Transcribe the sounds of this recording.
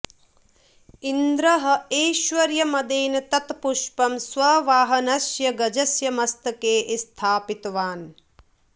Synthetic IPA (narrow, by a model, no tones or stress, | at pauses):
ind̪ɾɐɦɐ̆eːʃʋɐɾjɐmɐd̪eːnɐt̪ɐt̪puʃpɐmsʋɐʋaːɦɐnɐsjɐɡɐd͡ʒɐsjɐmɐst̪ɐkeːʔst̪ʰaːpit̪ʋaːn